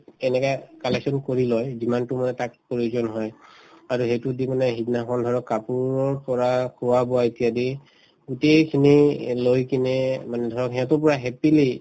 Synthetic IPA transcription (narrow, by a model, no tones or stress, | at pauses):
ɛnɛkakalɛksɔnkoɹilɔjzimantʊmanɛtak̚poɹuzɔnɦɔjaɹuɦejtudimanɛɦidnaxɔndʱɔɹɔkːapuɹɔɹpɔɹakʰʊwabɔwaetijadi | ɡutejkʰinilojkinɛmanɛdʱɔɹɔkɦɛatɔɹpɔɹaɦɛpili